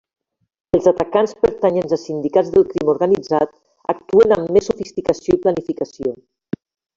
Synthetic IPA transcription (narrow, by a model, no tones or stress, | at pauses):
əlˠzat̪akanspəɾt̪aɲənzəlˠsind̪ikad͡zzðəlˠkɾimuɾɣanid͡zat̪ | a̰k̚t̪uənamːesːufist̪ikasioiplanifikasio